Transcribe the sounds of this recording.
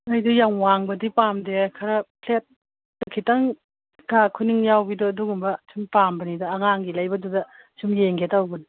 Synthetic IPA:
najdujaŋwaŋbɐdipamdekʰɐɾɐpʰlet̚ː | ɐkʰitaŋ | ɡakʰuniŋjawbidɔːduɡumbɐsʰimpambɐnidɐːŋaŋɡilajbɐdudɐ | sumjeŋɡetawbɐdi

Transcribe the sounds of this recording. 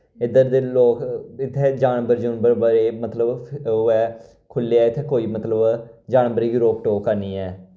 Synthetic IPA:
ɪd̪əɾd̪eːloːkɪt̪ʰːeːd͡ʒaːnbəɾd͡ʒʊnbəɾbəɾeːmət̪ləbɛː | kʰʊlːeɛːɪt̪ʰeːkoːiːmət̪ləbd͡ʒaːnbəɾeːɡiːɾoːk̚ʈoːkaːniːɛː

